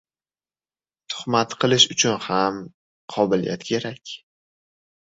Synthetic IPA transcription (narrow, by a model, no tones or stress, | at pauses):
t̪ʰʊ̥χmat̪qʰɨlˠɪʃʊt͡ʃʰʊnham | qʰɒbɪlḭja̰t̪kʲʰe̞ɾakʲ